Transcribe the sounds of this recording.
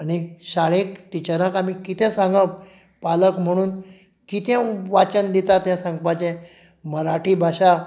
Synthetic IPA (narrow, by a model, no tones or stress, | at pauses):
aɽ̃iɕaɭekʈ̪it͡ɕəɾə̃kam̤iːkit̪ʰɛ̃sãŋɡa | paləkm̤əɽ̃uːn | kit̪ʰɛ̃ʋat͡ɕənd̪et̪at̪jãsãŋɡ̚pat͡ɕɛ̃ | məɾaʈʰiːbʱaɕa